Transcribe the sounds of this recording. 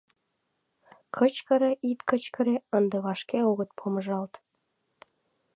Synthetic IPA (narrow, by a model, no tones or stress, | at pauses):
kʰət͡ɕkə̆ɾeʔit̪kə̆t͡ɕkə̆ɾeənd̪ĕβɑʃkeoɣə̆t̪̚pʰomə̆ʒɑlt̪